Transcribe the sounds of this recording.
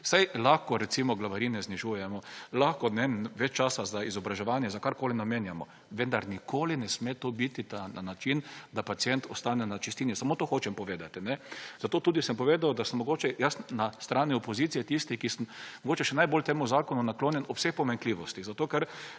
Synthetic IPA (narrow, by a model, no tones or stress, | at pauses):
sajlaxkɔɾɛtsimɔɡlaʋaɾiːnɛzniʒuːjɛmɔlaxkɔnɛʋɛt͡ʃt͡ʃaːsazaizɔbɾaʒɛʋaːnjɛzakaɾkoːlinameːnjamɔ | ʋɛnd̪aɾnikoːlinɛsmeːt̪oːbit̪it̪ananat͡ʃind̪apat̪sjɛnt̪ɔst̪aːnɛnat͡ʃist̪iːnjɛsamoːt̪oːxoːt͡ʃɛmpɔʋeːd̪at̪inɛz̥at̪oːt̪uːd̪isəmpɔʋeːd̪awd̪asəmmɔɡoːt͡ʃɛjasnast̪ɾaːniɔpɔziːt̪sijɛt̪ist̪ikisəmmɔɡoːt͡ʃɛʃɛnajboːlt̪eːmuzaːkɔnunakloːnjɛnɔwsexpɔmaŋkliːʋɔst̪iɣzat̪oːkɛɾ